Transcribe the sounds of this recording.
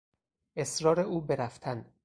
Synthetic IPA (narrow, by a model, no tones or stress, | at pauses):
ʔe̞sɾɒːɾeuːbeɾæft̪ʰæn